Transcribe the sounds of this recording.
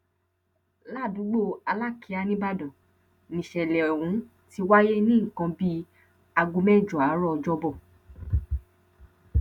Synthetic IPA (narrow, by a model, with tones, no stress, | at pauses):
la˦˨dũ˨˦ɡ͡bo˦˨a˧la˦ki˨˧˦a˧nĩ˦ba˦dɔ̃˨ | nĩ˨ʃɛ˨lɛ˨ɔ˨wũ˨˦ | ti˧wa˦je˦nĩ˦˨kã˧bi˦ | a˧ɡu˧mɛ̃˦˨d͡ʒɔ˨a˨˦ɾɔ˦ɔ˧d͡ʒɔ˦bɔ˦˨